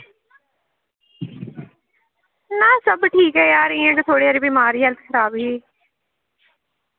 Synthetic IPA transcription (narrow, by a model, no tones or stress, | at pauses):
nãːsəbʈʰiːkɦɛːjaːɾɪ̃ːə̃ʈt̪ʰoːɽeːaːɾiːbiːmaːɾiːɦəlt̪ʰkʰəɾaːbɡiː